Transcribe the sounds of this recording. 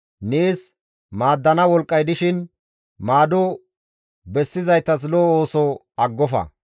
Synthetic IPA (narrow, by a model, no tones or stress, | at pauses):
neːs | maːd̪ːɐnɐwɔlkʼːɐjd̪ɪʃɪn | maːd̪ɔ | bɛsːɪzɐjt̪ːɐs̬lɔoːsɔ | ɐɡːɔfɐ̰